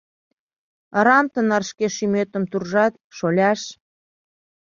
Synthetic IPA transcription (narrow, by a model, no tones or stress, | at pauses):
əɾɑmt̪ənɑrʃkeʃymøt̪ə̆mt̪urʒɑt̪̚ | ʃolʲɑʃ